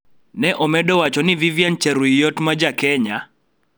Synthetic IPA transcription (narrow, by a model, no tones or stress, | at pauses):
nɛʔɔmɛdɔwat͡ʃɔnɪvivjant͡ʃɛɾwijɔtmad͡ʒakɛɲa